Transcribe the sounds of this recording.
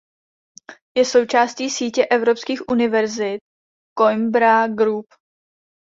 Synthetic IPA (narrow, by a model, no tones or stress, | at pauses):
jɛso̞wt͡ʃaːsciːsiːcɛʔɛvɾo̞pskiːxʔunɪvɛɾzɪt̪̚ | kojmbɾaɡɾup